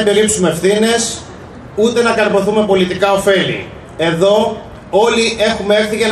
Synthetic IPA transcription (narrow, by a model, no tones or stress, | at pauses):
pe̞lipsumeefθine̞s | ut̪e̞nɐkɐɾmo̞θume̞po̞lit̪ikɐo̞fe̞lḭ | e̞ðo̞ | o̞liʔe̞xumeefθiʝen